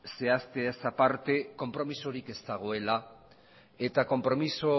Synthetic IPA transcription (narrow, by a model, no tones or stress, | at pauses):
se̞ast̪easapaɾt̪e̞ko̞mpɾo̞miso̞ɾike̞st̪aɣ̞o̞e̞la | e̞t̪ako̞mpɾo̞miso